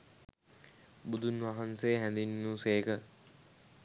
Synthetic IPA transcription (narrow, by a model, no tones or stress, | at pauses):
bud̪unʋaɦansejːɦænd̪inːuːseːkə